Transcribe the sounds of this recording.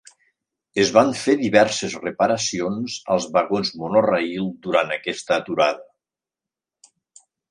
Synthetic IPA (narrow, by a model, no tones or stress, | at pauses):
ezβaɱfeðiβɛɾsezrəpəɾəsionzə̰lˠzβəɣonzmonorailˠd̪uɾant̪əkɛst̪əːt̪uɾaðə